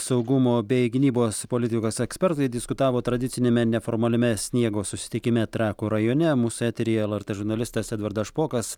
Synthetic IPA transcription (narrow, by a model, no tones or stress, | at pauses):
sɐʊɡʊmoːbʲɛɪɡʲɪnʲiːboːspolʲɪt̪ʲɪkoːsɛksʲpʲɛɾt̪ɐɪd̪ʲɪskʊt̪ɑːʋoːt̪ɾɐd̪ʲɪt̪ʲɪnʲeːmʲɛnʲɛfoːɾmɐlʲɪmʲɛsʲnʲiɛɡoːsʊsʲɪ̥t̪ʲɪkʲɪmʲɛt̪ʲɾʲɑːkoːɾɐjoːnʲɛmuːsʊɛːt̪ʲɛɾʲiːjɛlˠɐɾt̪ɛʒʊɾnɐlʲɪst̪ɐsɛd̪ʋɐɾd̪ɐʃpoːkɐs